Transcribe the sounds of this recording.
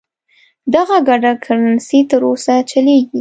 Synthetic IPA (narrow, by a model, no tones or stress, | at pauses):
d̪aɣaɡaɖakʰaɾansit̪əɾosat͡ʃaleɡi